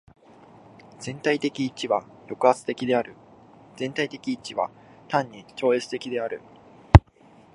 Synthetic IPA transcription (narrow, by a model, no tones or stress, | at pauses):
z̥ẽ̞nt̪ait̪e̞kʲiːt͡ɕiβa | jo̞kɯ̟at͡sɨ̥t̪e̞kʲid̪e̞aɾɯ̟ | z̥ẽ̞nt̪ait̪e̞kʲiːt͡ɕiβa̰ | t̪ãɲ̟ːit͡ɕo̞ːe̞t͡sɨ̥t̪e̞kʲid̪e̞aɾɯ̟